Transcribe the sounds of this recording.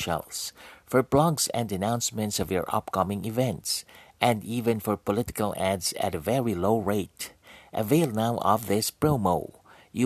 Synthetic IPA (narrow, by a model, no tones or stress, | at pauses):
ʃɛ̰lˠsfɔ˞blɔɡzɛ̰̃ndɨnãʊ̃nsmɨ̃ntsʌvjɔ̰ɹʔʌ̰pkʌmɪ̃ŋɪvɛ̃ntsʔɛ̃ndivɨ̃nfɔɹpɔlɪtɪ̥kəlˠædzɨ̰ɾəvɛɹiloʊɹeɪtʔəveɪlˠnaʊʔʌ̰vðɪspɹoʊmoʊ | ju